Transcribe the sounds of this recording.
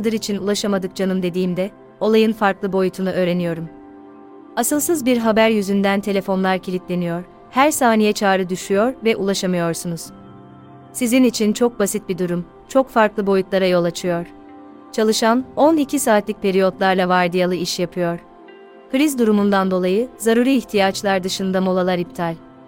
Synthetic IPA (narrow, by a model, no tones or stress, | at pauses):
ad̪ɯɾit͡ʃʰinulˠaʃamad̪ɯk̚d͡ʒanɯmd̪e̞d̪iːmd̪ɛ | o̞lˠajɯnfaɾklˠɯbo̞jut̪ʰunuʔø̞ːɾe̞nijo̞ɾum | asɯlˠsɯzbiɾɦabæɾjyzynd̪ænt̪ʰe̞lʲefo̞nlˠaɾcʰilʲit̪lʲe̞nijo̞ɾ̥ | hæɾsaːnijɛt͡ʃʰaːɾɯd̪yʃyjo̞ɾvɛʔulˠaʃamɯjo̞ɾsunuz̥ | sizinit͡ʃʰint͡ʃʰo̞k̚basit̪̚bid̪uɾum | t͡ʃʰo̞kfaɾklˠɯbo̞jut̪lˠaɾajo̞lˠat͡ʃʰɯjo̞ɾ̥ | t͡ʃʰalˠɯʃano̞nicʰisaːt̪lʲic̚pʰe̞ɾijo̞t̪lˠaɾlˠavaɾd̪ijalˠɯiʃjapʰɯjo̞ɾ | kɯɾizd̪uɾumund̪and̪o̞lˠajɯzaɾuɾiiçt̪ʰijat͡ʃlˠaɾd̪ɯʃɯnd̪amo̞lˠalˠaɾip̚t̪ʰalʲ